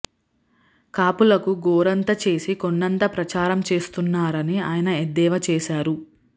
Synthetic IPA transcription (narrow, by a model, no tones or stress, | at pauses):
kaːpulɐkuɡɔːɾɐnt̪ɐt͡ʃe̞ːsikoɳːɐnt̪ɐpɾɐt͡ʃaːɾɐmt͡ʃe̞ːst̪unːaːɾɐniaːjɐnɐed̪ːɛːʋɐt͡ʃeːʃaːɾu